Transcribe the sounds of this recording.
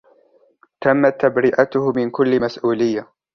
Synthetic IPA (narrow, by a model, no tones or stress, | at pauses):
t̪amːat̪ːabɾɪʔat̪ʊhmɪnkʊlːɪmasʔuːlɪjːa